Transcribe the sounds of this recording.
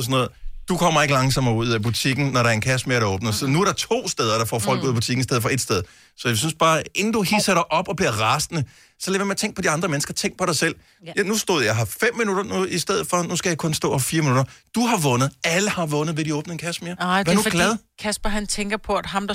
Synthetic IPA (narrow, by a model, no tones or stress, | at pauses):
sɔnɔ̽ːð̩ˠd̥ukʰɒ̽m̰ɐeɡəlɑ̈ŋsɒ̽mɐuð̰ˠæb̥ut͡sʰiɡ̥n̩nɒɾɑ̈æɐe̝nkʰæsmeɐɾɑɔːb̥nɐsɒnuæɐɾɑ̈t͡sʰo̝̰ːsd̥eːð̞ˠɐɾ̥ɑ̈fɒ̰ːfɒ̽l̰ɡ̥uð̰ˠb̥u̥t͡sʰiɡ̥n̩isd̥eðˠfɒ̽e̝d̥sd̥eð̞ˠ | sɒ̽jas̬ynsb̥ɑ̈ːʔe̝n̩d̥uɦisɐɾ̥ɑ̈ɪʔɒ̽b̥ɒ̽b̥liɐʁɑ̈snə | sɒlɛːʋjɐmeɐt͡sʰeŋɡ̥̚pʰɒ̽diɑ̈nd̥ʁɐmenəsɡ̥ɐt͡sʰeŋɡ̥̚pʰɒ̽ɾɑ̈ɪsel̰ | jnusd̥o̝ð̰ˠjɑ̈ɦɑfem̰mːinuɾ̥ɐnuisd̥eð̰̩ˠfɒ̽nusɡ̥æjɑ̈kʰɔ̽nsd̥ɔ̰ːhɑfiːɐminuɾ̥ɐd̥uɦɑ̈ʋɔ̽nəð̞̩ˠæləhɑ̈ʋɔ̽nð̩ˠʋeɾ̥iɔ̽ːb̥n̩əenkʰæsmeɐænuɡ̥lɛð̞ˠkʰæsb̥ɐɦænt͡sʰeŋɡ̥ɐpʰɒ̽æd̥ɦɑ̈md̥ɑ